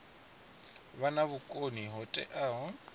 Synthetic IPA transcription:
banaβʊkʼoniɦʊtʼɛ̰ʔaɦɔ

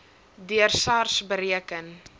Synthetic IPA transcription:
dyərsɑrsbəɾiəkən

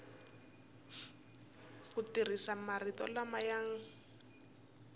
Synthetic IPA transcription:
kutir̤isamarit̪ɔ̰lamajaːŋ̩

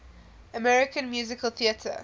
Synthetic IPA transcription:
əmɛɹɪkə̃nmjʉːzɪkəlˠθiətʰə̰

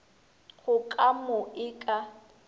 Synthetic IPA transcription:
ɣʊkʼamʊɪkʼa

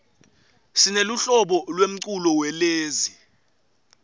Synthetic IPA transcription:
sineluɬɔɓɔlwem̩ǀulɔwɛleːzi

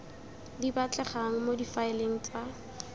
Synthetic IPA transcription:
dibat͡ɬʼɛχaŋ̩modifaɪleŋ̩t͡sa

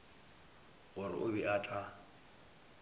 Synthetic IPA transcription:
ɣʊɾɪ̰ʔʊbiʔatʼa

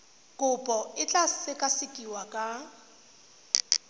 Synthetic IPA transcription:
kʼʊpʼɔɪt͡ɬʼasɪkʼasɪkʼiwakʼa

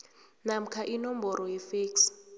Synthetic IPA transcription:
nam̩kʰaʔinɔmbɔɾʔɔjɛfeːks

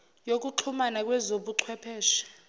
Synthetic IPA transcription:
jok̬ʼuǃʰumanak̬ʼwɛzoɓuǃʰwɛpʰɛːʃi̥

